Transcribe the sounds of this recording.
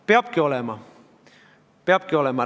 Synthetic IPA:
peɑpkiolemɑ | peɑpkiolemɑ

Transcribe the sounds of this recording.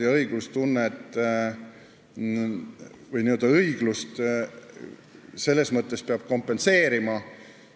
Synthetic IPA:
ɑɤjɡ̥lust̪unːet̪ˑː | vɤjniø̞ld̪̥ɑɤjɡ̥lust̪ | se̞lːe̞smɤt̪ːˑe̞speɑb̥̚ko̞mpːˑe̞nse̞ːɾimɑ

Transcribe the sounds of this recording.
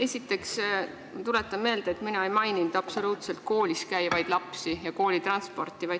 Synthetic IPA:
e̞sʲit̪ːˑe̞ks | t̪ule̞t̪ːˑɑmme̞ːld̪̥eet̪minɑejmɑjnind̪̥ɑpso̞luːt̪se̞lt̪̚ko̞ːlʲiskæjvɑjd̪̥lɑpsijɑko̞ːlʲit̪ɾɑnspo̞rt̪ːˑivɑjd̪

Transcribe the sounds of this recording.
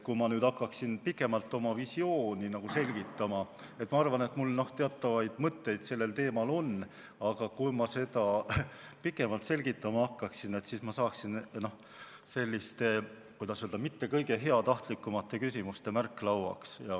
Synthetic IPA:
kumɑnyːd̪ɑkːˑɑksinpikˑːe̞mɑlt̪ːˑo̞mɑvisio̞ːnʲinɑɡ̥use̞lʲɡ̥it̪ˑːɑmɑ | e̞t̪ːˑmɑɑrvɑne̞t̪mulno̞ht̪e̞ɑt̪ːˑɑvɑjd̪̥mɤt̪ːe̞jd̪̥se̞lːe̞lt̪e̞ːmɑlo̞n | ɑɡ̥ɑkujmɑse̞d̪ɑ | pikːˑe̞mɑlt̪se̞lʲɡ̥it̪ːˑɑmɑɑkːɑksine̞t̪siːsmɑsɑːksinno̞h | se̞lʲːist̪e̞ | kujd̪̥ɑsøld̪ɑmit̪ːe̞kɤjɡe̞ɦe̞ɑt̪ɑht̪likːumɑt̪ːˑe̞kysimust̪e̞mærkːˑlɑwɑ̰ksjɑ

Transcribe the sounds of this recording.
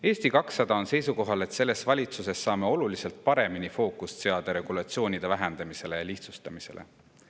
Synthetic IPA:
e̞ːst̪ikɑksːɑd̪̥ɑo̞nse̞jsuko̞ɦɑle̞t̪se̞lːe̞svɑlʲit̪suse̞sːɑːme̞o̞lulise̞lt̪̚pɑɾe̞minifo̞ːkˑust̪se̞ɑd̪̥ɑɾe̞ɡ̥ulɑt̪sio̞ːnid̪̥evæɦɛnd̪̥ɑmise̞le̞jɑliht̪sust̪ɑmise̞̰lʔe̞̰

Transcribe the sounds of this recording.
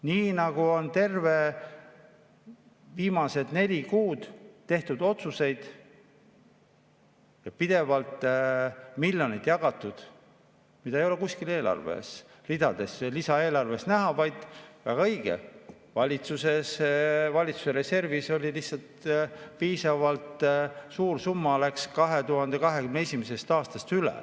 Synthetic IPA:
niːnɑɡ̥uo̞nt̪e̞rve̞ | viːmɑse̞d̪̥ne̞lʲikuːd̪̥t̪ːe̞ht̪ud̪̥o̞t̪suse̞jd̪̥ | jɑpid̪̥e̞vɑlt̪ˑ | miljo̞nid̪̥jɑɡ̥ɑt̪ːˑud̪̥ | mid̪ɑejo̞le̞kusʲkile̞ːlɑ̰rvḛs | rid̪̥ɑd̪̥e̞slisɑe̞ːlɑrve̞snæɦɑvɑjd̪̥væɡ̥ɑɤjɡ̥ḛ | vɑlʲit̪suse̞svɑlʲit̪su̥seɾe̞se̞rviso̞lʲilihsɑlt̪piːsɑvɑlt̪suːrsumːɑlækskɑɦe̞t̪uɦɑnd̪̥e̞kɑɦe̞kymnee̞sʲimese̞st̪ɑːst̪ɑst̪ylḛ

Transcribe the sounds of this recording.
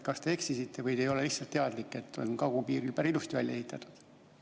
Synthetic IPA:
kɑst̪e̞eksisit̪ːe̞vɤjd̪e̞jo̞le̞lihsɑlt̪ːe̞ɑd̪likːˑe̞t̪ːo̞̰nkɑɡupiːɾilbæɾilust̪ivælʲjɑe̞ɦit̪ːˑɑt̪ːˑu̥d̪̥

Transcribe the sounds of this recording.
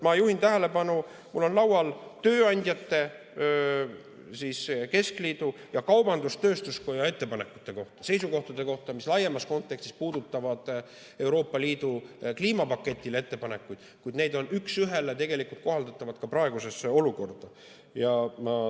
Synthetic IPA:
mɑjuhint̪æɦele̞pɑnu | mulːo̞nlɑwwɑlt̪ø̞ːɑnʲd̪̥ʲjɑt̪ːe̞ | siske̞skliːd̪̥u | jɑkɑwb̥ɑnd̪ust̪ø̞ːst̪usko̞jɑe̞t̪ːe̞pɑne̞kːˑu̥t̪ːˑe̞ko̞ht̪ɑ̥se̞jsuko̞ht̪ɑd̪̥e̞ko̞ht̪ɑmislɑjːemɑsko̞nt̪ːˑekst̪ispuːd̪̥ut̪ːɑvɑd̪̥ | e̞wɾo̞ːpːˑɑliːd̪ukliːmɑpɑkːˑe̞t̪ʲːˑilet̪ːe̞pɑne̞kːˑujd̪̥kujd̪ne̞jd̪o̞nyksyɦe̞let̪e̞ɡe̞likult̪̚ko̞ɦɑld̪ɑt̪ˑːɑvɑd̪̥̚kɑpɾɑe̞ɡ̥use̞so̞luko̞rd̪̥ɑ | jɑmɑ

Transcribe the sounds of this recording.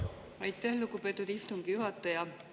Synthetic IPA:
ɑjt̪ːˑæhlukːˑupe̞t̪ːˑud̪ist̪uŋɡ̥ijuɦɑt̪ːˑɑjɑ

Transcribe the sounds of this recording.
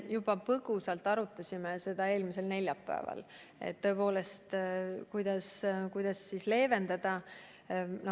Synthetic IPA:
jubɑpɤɡ̥usɑlt̪ːˑɑɾut̪ːˑɑsʲimese̞d̪̥ɑe̞ːlmise̞lne̞lʲjɑpːæ̰ḛvɑ̰l | ḛt̪ːɤ̞po̞ːle̞st̪kujd̪̥ɑskujd̪̥ɑsːisle̞ːve̞nd̪ɑd̪̥ɑ | no

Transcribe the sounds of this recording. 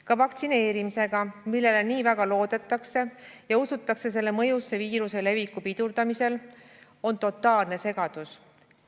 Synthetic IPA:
kɑvɑkt̪sine̞ːɾimise̞ɡ̥ɑmilːe̞leniːvæɡɑlo̞ːd̪̥e̞t̪ːˑɑkse̞jɑusut̪ːˑɑkse̞s̬e̞lːe̞mɤ̞jusːe̞viːɾuse̞le̞vikːupid̪̥uɾd̪̥ɑmise̞l | o̞nt̪o̞t̪ːˑɑːlnese̞ɡ̥ɑd̪̥us

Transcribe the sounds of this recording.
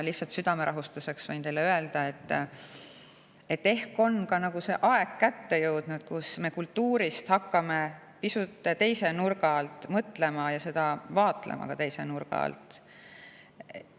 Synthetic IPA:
lihsɑlt̪syd̪̥ɑme̞ɾʔɑɦust̪use̞ksvojnt̪e̞jlːeøeld̪̥ɑe̞t̪ˑː | e̞t̪ːe̞hko̞nkɑnɑɡ̥use̞ʔɑe̞ɡkæt̪ːe̞jɤwd̪̥nud̪̥kusme̞kult̪ːuːɾist̪hɑkːɑme̞ | pisut̪ːˑt̪e̞jse̞nurɡ̥ɑlt̪ːˑmɤt̪ːˑle̞mɑjɑse̞d̪̥ɑvɑːt̪ˑlḛmʔɑ̰kɑt̪e̞jse̞nurɡ̥ɑ̰ɑ̰lt̪ˑ

